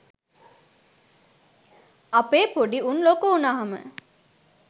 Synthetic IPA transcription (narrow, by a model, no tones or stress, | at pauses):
ɐpeːpoɖiʔunloːkuunaɦɐmə̰